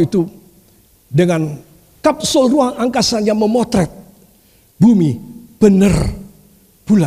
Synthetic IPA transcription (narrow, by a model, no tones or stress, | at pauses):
it̪u | dəŋan | kap̚sʊlruaŋaŋkasanjaŋməmɔt̪ɾɛt̪̚ | bumib̥ənər | pula